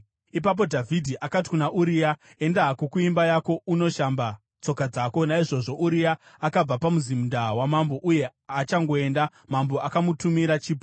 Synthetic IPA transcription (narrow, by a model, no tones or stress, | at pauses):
ip̬ap̬o̞dʱavʱidʱiʔakati̥kunaʔuɾija | e̞ndaɦakukuimbajako̞uno̞ʃamba | t͡so̞kad͡zaːko̞naiʐo̞ʐo̞ʔuɾijaː | kab͡vapamuzimundawamambo̞ʔuje̞at͡ʃaŋɡo̞e̞nda | mambo̞ʔakamutumiɾat͡ʃiːpo